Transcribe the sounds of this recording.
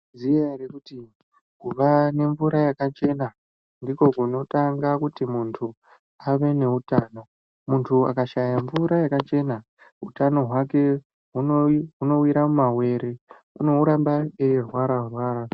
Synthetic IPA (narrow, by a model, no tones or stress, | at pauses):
zijarekuti | kuʋane̞ɱvuɾajakat͡ʃe̞na | ndiko̞kuno̞taŋɡakutimuntʰu | aʋe̞ne̞utaːno̞ | muntʰua̰kaʃajaɱvuɾajakat͡ʃe̞ːna | ɦutano̞ɦwake̞ | ɦuɦuno̞wiɾamumawe̞ːɾe̞ | uno̞uɾambaerwaɾarwaːɾa